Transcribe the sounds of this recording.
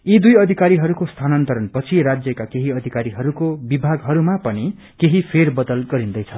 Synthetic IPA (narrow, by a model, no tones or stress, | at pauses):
id̪ujʌd̪ʱikaɾiɦʌɾukost̪ʰanʌnt̪ʌɾʌnpʌt͡sʰiɾad͡zjʌkakeɦiʌd̪ʱikaɾiɦʌɾukobibʱaɡɦʌɾumapʌni | keɦipʰerbʌd̪ʌlɡʌɾind̪ʌjt͡sʰʌ